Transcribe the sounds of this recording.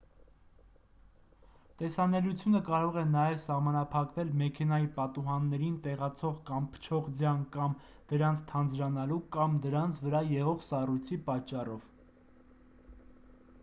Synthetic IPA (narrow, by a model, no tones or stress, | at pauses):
t̪ɛsɑnɛlut͡sʰjunəkɑɾɔʁɛnɑjɛvsɑʁmɑnɑpʰɑkvɛlmɛkʰɛnɑjipɑt̪uɦɑnːɛɾint̪ɛʁɑt͡sʰɔʁkɑmpʰə̥t͡ʃʰɔʁd͡zjɑnkɑm | d̪̥əɾɑnt͡sʰt̪ʰɑnd͡zɾɑnɑlukɑmd̪əɾɑnt͡sʰvəɾɑjɛʁɔʁsɑrujt͡sʰipɑt͡ʃːɑrɔv̥